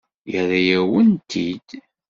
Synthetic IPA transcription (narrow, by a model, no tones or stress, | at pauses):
jæðæjæwənt̪ʰid̪̥